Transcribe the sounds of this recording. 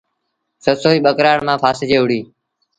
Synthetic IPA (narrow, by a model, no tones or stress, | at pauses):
səsoːiːɓəkɾaːɳmãːpʰaːsd͡ʒeːʊɽiː